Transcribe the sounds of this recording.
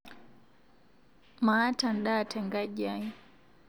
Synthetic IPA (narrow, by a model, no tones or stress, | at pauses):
maːtanɗaːtʰɛŋɡad͡ʒaɲ